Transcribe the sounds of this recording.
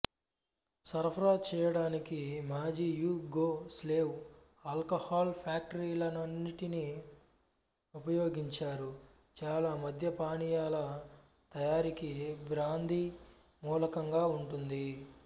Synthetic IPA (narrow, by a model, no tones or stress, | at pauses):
sɐɾpʰɐɾaːt͡ʃɛːjɐɽaːnikimaːd͡ʒiːjuːɡoːsleːw | aːlkɐhaːlpʰjaːk̚ʈɐɾiːlɐnɐnːiʈini | upɐjoːɡiɲt͡ʃaːɾu | t͡ʃaːlaːmɐd̪ʱjɐpaːɳijaːlɐ | t̪ɐjaːɾikibɾaːnd̪ʱi | muːlɐkɐŋɡaːuɳʈund̪i